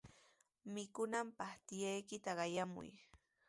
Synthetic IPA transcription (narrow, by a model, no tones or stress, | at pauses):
mɪkʊnampɑχt̪ɪjajkɪt̪aɢɑjamʊ̰j